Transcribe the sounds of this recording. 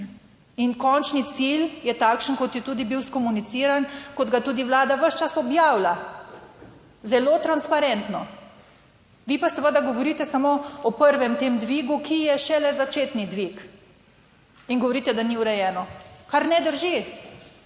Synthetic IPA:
inkɔnt͡ʃnit̪siljɛt̪aːkʃənkɔt̪jɛt̪uːd̪ibiwskɔmunit̪siɾankɔd̪ɡat̪uːd̪iʋlaːd̪aʋəʃt͡ʃasɔbjaːwla | zɛlot̪ɾanspaɾɛnt̪nɔ | ʋipasəʋəd̪aɡɔʋɔɾit̪ɛsamoɔpəɾʋɛmt̪eːmd̪ʋiːɡukʰijɛʃɛlɛzat͡ʃeːt̪nid̪ʋik | inɡɔʋɔɾiːt̪ɛd̪aniuɾɛjɛːnɔkaɾnɛd̪əɾʒi

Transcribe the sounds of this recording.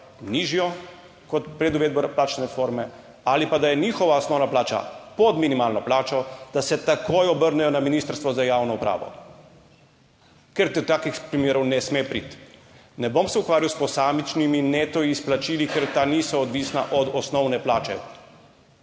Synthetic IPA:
niːʒjɔ | kɔt̪pɾɛd̪uʋeːd̪̚bɔplaːt͡ʃnɛfoɾmɛ | alipad̪ajɛniːxɔʋaɔsnɔwnaplaːt͡ʃa̰pɔd̪minimaːlnɔplaːt͡ʃɔd̪̥asɛt̪akojɔbəɾnɛjɔnaminiːst̪əɾst̪ʋɔzajawnɔupɾa̰ːʋɔ̰ | kɛɾt̪ɛt̪aːkixpɾimeːɾɔwnɛsmepɾḭt̪ | nɛbomsɛukʋaːɾiwspɔsaːmit͡ʃniminet̪ɔiːsplat͡ʃiːlikɛɾt̪anisɔːd̪ʋisnaʔɔd̪ɔsnɔwnɛplaːt͡ʃɛ̰

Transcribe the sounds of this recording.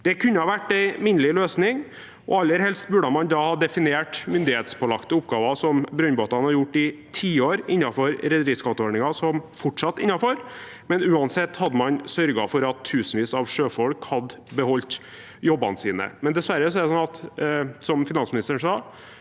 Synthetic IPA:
d̪̥ɛkʰʉnːəhɑʋæʈːæɪmɪnəlɪløːsnɪŋ | ʔɔ̰ɑlːəɾhɛlst̪bʉɖəmɑnd̪ɑhɑːd̪ɛfɪnɪeːʈmʏnd̪ɪheːt̪spʰoːlɑkt̪əʊpɡɑːʋɑsɔmbɾœnboːt̪ɑnhɑɾjʊʈːɪt̪ʰiːoːɾɪnːɑfɔɾɾɛd̪əɾɪskɑt̪əɔɳɪŋɑsɔmfɔʈʂɑt̪ːɪnːɑfɔɾ | mɛnʉːɑnsɛt̪ːhɑd̪ːəmɑnsœɾɡɑ̰fɔɾɑt̪ʰːʉːsənʋiːsɑʋʂøːfɔɽkhɑd̪ːbəhɔlt̪ | jɔbːɑ̰nəsiːnə̰mɛnd̪ɛsʋæɾːəsɔɛɾɖɛsɔnɑt̪sɔmfɪnɑnsmɪnɪst̪əɳ̩ʂɑː

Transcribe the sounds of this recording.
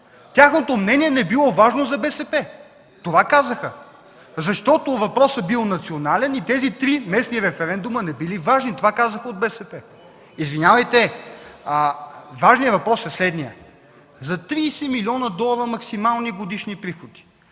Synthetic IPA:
t̪ʲjaxnot̪omnɛniɛnɛbilˠɔvaʒnozɐbɛsɛpɛ | t̪ovakazəxə | zɐʃt̪ɔt̪ovɐpɾɔsɐbilˠnɐt̪sionalɛnit̪ɛzit̪ɾimɛsniɾɛfɛɾɛnd̪umənɛbilivaʒnit̪ovakazəxəod̪̚bɛsɛpɛ | izvinʲjavɐjt̪ɛ | əvaʒnijəvɐpɾɔsɛslɛd̪nijə | zɐt̪ɾiːsɛmiliɔnɐd̪ɔlˠɐəɾəmɐksimalˠniɡod̪iʃnipɾixod̪̥i̥

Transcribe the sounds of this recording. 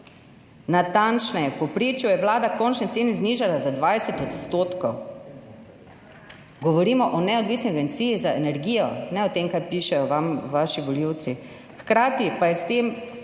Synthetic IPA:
nat̪ant͡ʃnɛjɛpɔpɾeːt͡ʃjujɛʋlaːd̪akɔnt͡ʃnɛt̪eːnɛzniːʒalazad̪ʋajsɛt̪ɔt̪st̪oːt̪kɔw | ɡɔʋɔɾiːmɔʔɔnɛɔd̪ʋiːsniaɡent̪siːjizaenɛɾɡiːjɔnɛɔt̪eːmkajpiːʃɛjɔʋamʋaːʃiʋɔliw̪si | xkɾaːt̪ipajɛst̪eːm

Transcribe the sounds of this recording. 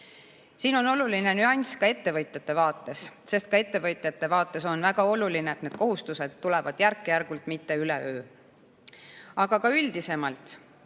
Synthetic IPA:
siːno̞no̞luline̞nyɑnʲskɑe̞t̪ːe̞vɤjt̪ˑjɑt̪ːe̞vɑːt̪ːˑe̞sse̞st̪̚kɑe̞t̪ːe̞vɤjt̪ˑjɑt̪ːe̞vɑːt̪ːˑe̞so̞nvæɡ̥ɑo̞lulineːt̪ned̪̥ko̞ɦust̪use̞d̪̥̚ːulɛvɑd̪̥jærkːejærɡ̥ult̪mit̪ːe̞ylḛøː | ɑɡ̥ɑkɑyld̪̥ise̞mɑlt̪

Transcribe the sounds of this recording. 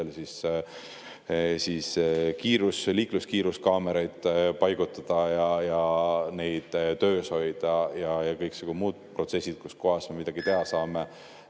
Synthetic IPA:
elsis | siːskiːɾusliːkluskiːɾuskɑːmeɾɑjd̪̥pɑjɡ̥ut̪ːˑɑd̪̥ɑjɑjɑne̞jd̪̥t̪ø̞ːsho̞jd̪̥ɑjɑjɑkɤjksɑɡ̥umuːd̪̥̚pro̞t̪se̞sʲːid̪̥̚kusko̞ɦɑsme̞mid̪̥ɑɡ̥it̪e̞ɦɑsɑːme

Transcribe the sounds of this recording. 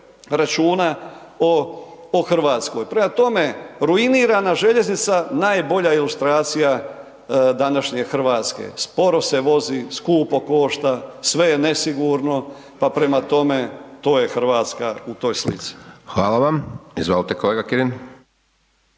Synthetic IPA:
ɾat͡ʃuːna | ooxr̩ʋaːt̪sko̞jpɾe̞mat̪o̞me̞ɾuiniːɾanaʒe̞ʎe̞znit̪sanaːjbo̞ʎailˠust̪ɾaːt̪sija | d̪anaʃɲexɾ̩ʋaːt̪skḛspo̞ɾo̞se̞ʋo̞ziskuːpo̞ko̞ʃt̪asʋe̞jene̞siɡuɾno̞ | papɾe̞mat̪o̞me̞t̪o̞ːje̞xɾ̩ʋaːt̪skaut̪o̞ːjslḭt̪si̥xʋaːlaʋamizʋolit̪ekoleːɡakiɾin

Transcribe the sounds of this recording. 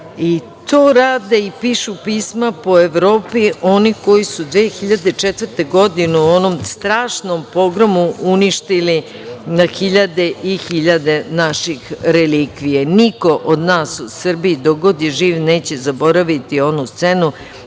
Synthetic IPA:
i | t̪oːɾaːd̪eipiːʃupiːsmapo̞eʋɾo̞ːpio̞niko̞jisud̪ʋeːxiʎad̪et͡ʃet̪vrt̪e̞ɡo̞d̪ineuo̞nomst̪ɾaːʃno̞mpo̞ɡɾomuʔuniʃt̪ili | naxiʎad̪e̞ʔixiʎad̪e̞naʃixɾelikʋijeniko̞ʔod̪naːsusr̩biid̪oɡod̪jeʒiːʋne̞ːt͡ɕe̞zabo̞ɾaʋit̪io̞nust̪se̞nu

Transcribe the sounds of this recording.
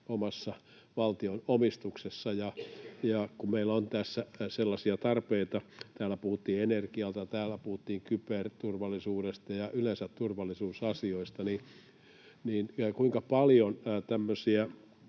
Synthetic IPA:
omɑsːɑ | ʋɑlt̪ionomist̪uksesːɑjɑjɑkumeilont̪æsːæselːɑsiɑt̪ɑrpeit̪ɑt̪æːlæpuhut̪ːiːenerkiɑlt̪ɑt̪æːlːˑæpuhut̪ːiːŋkypert̪urʋɑlːˑisuːɾest̪ɑjɑʔylensæt̪t̪urʋɑlːˑisuːsɑsioist̪ɑni | niːnkuiŋkɑpɑljont̪æmːøsiæ

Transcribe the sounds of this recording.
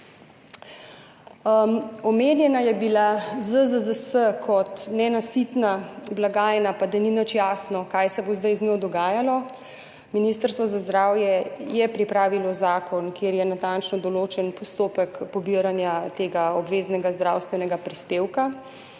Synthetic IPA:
ɔmeːnjɛnajɛbilazəzəzəsəkʰɔt̪nɛnasit̪nablaɡaːjnapad̪aninət͡ʃjaːsnɔkajsɛbozd̪ajznɔwd̪ɔɡaːjalɔ | minist̪əɾst̪ʋɔzazd̪ɾaːwjɛjɛpɾipɾaːʋilɔzaːkɔnkjeːɾjɛnat̪ant͡ʃnɔd̪ɔloːt͡ʃɛnpɔst̪oːpəkpɔbiɾanjat̪eːɡaɔbʋeːznɛɡazd̪ɾawst̪ʋɛnɛɡapɾispeːwka

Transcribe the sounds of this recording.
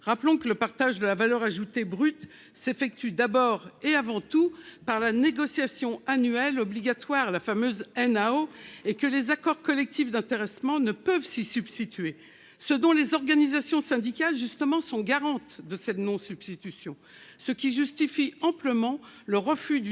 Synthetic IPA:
ʁaplɔ̃kələpaʁt̪aʒd̪əlavalœʁaʒut̪ebʁyt̪ | sefɛk̚t̪yd̪abɔʁeavɑ̃t̪upaʁlaneɡɔsjasjɔ̃anyɛlɔbliɡat̪waʁlafamøzɛnaoekəlezakɔʁkɔlɛk̚t̪ifd̪ɛ̃t̪eʁɛsmɑ̃nəpəvsisybst̪it̪ɥe | səd̪ɔ̃lezɔʁɡanizasjɔ̃sɛ̃d̪ikʲalʒyst̪əmɑ̃sɔ̃ɡaʁɑ̃t̪d̪əsɛt̪nɔ̃syb̥st̪it̪ysjɔ̃ | səkʲiʒyst̪ifiɑ̃pləmɑ̃ləʁəfyd̪

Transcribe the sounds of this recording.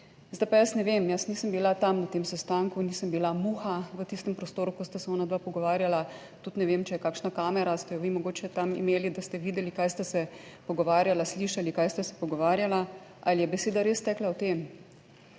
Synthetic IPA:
zd̪ajpajasnɛʋemjəsniːsəmbilat̪amnat̪emsɛst̪aŋkuniːsəmbilamuːxaʋət̪ist̪ɛmpɾɔst̪oːɾukɔst̪asɛɔːnad̪ʋapɔɡɔʋaːɾjala | t̪ut̪nɛʋemt͡ʃɛjɛkaːkʃnakaːmɛɾast̪ɛjɔʋimɔɡoːt͡ʃɛt̪amḭmeːlid̪ast̪ɛʋiːd̪ɛlikaːjst̪ɛsɛpɔɡɔʋaːɾjalasliːʃalikajst̪ɛsɛ̥pɔɡɔʋaːɾjala | ʔalijɛbɛseːd̪aɾeːst̪ɛːklaɔt̪em

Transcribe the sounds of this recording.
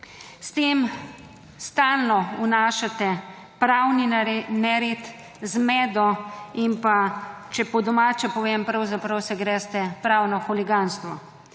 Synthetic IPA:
st̪eːm | st̪aːlnɔunaːʃat̪ɛ | pɾawninɛɾet̪ | zmɛːd̪ɔimpat͡ʃɛpɔd̪ɔmaːt͡ʃɛpɔʋempɾɐwzapɾɐwsɛɡɾɛːst̪ɛpɾaːwnɔxuliɡanst̪ʋɔ̰

